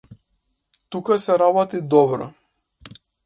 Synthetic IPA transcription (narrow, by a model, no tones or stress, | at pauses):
t̪ukasɛɾabɔt̪id̪ɔbɾɔ̰